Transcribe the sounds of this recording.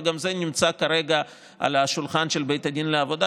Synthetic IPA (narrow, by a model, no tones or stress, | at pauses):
ɡamzenimt͡sakaɾe̞ɡa | a̰laʃulχanʃelbe̞jt̪ad̪inleavo̞d̪a